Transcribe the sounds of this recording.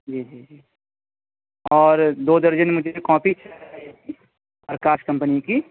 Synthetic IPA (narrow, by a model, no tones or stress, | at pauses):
d͡ʒiːd͡ʒiːd͡ʒiː | ɔːɾd̪oːd̪əɾd͡ʒənmʊd͡ʒʱekɔːpit͡ʃʰi | pɾkaːʃkɐ̃mpniki